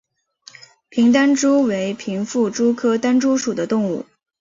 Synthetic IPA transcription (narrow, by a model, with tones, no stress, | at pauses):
pʰi˧˥ŋt̪a˥nʈ͡ʂu˥we˧˥ɪpʰi˧˥ŋfu˥˩ʈ͡ʂu˥kʰɤ˥t̪a˥nʈ͡ʂu˥ʂu˨˩d̪ə˦t̪ʊ˥˧ŋu˥˩